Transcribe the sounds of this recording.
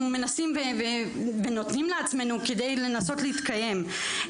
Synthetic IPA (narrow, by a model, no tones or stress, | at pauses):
umenasimveveveno̞t̪nimleat͡sme̞nuke̞d̪e̞jle̞naso̞t̪leit̪kaje̞m